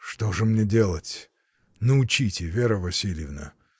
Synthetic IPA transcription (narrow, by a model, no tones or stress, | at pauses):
ʂt̪oʐɨmnʲedʲe̞lˠətʲ | nəʊt͡ɕitʲɪvʲeɾəvɐsʲilʲjɪvnə̰